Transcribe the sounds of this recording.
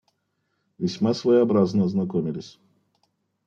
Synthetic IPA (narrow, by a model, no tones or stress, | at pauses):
vʲɪsʲmasvəjɛɐbɾaznəznɐkomʲɪlʲɪsʲ